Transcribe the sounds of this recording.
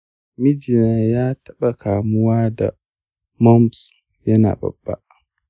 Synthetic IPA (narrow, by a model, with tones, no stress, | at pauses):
mi˦d͡ʒi˨na˨jaː˦tʰɐ˦ɓa˨kaː˨mʊ˦waː˦da̰˨ | mɔ˦ms | jɐ˦na̰ː˨bɐ̰˨bːa̰˦ʔ